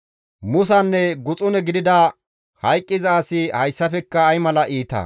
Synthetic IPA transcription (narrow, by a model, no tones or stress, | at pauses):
mʊs̬ɐnːɛɡʊt͡sʼʊnɛɡɪd̪ɪd̪ɐ | hɐjkʼːɪzaːsɪhɐjsːɐfɛkːɐːjmɐlɐʔiːt̪ɐ̰